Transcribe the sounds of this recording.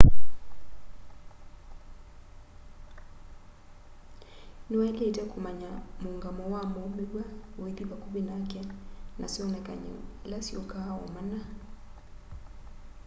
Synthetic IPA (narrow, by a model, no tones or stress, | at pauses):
niwaɛlɛitakumaɲamuŋɡamɔwamɔmiɡwaweðiβakubinakɛnasɔnɛka̰ɲɛ̰lasiɔkaɔ̰mana